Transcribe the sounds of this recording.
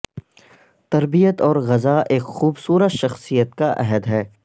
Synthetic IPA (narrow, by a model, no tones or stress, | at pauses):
t̪ɐɾbijət̪ɔːɾɣɐzaːʔeːkxuːbsuːɾət̪ʃɐxsijət̪̚kaʔɛɦəd̪ɦɛː